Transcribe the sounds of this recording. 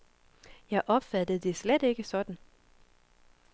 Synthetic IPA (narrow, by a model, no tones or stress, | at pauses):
jɑ̈ɪʔɒ̽b̥fæd̥əð̩ˠd̥e̝sled̥e̝ɡ̥əsɒ̽d̥n̩